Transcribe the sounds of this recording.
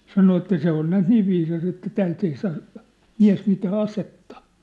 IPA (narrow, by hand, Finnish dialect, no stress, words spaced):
sɑno etːæ se on næːt niːʋ ʋiːsɑs etːæ tæːlt ei sɑː miæ̝s mitæː ɑsetːɑ̥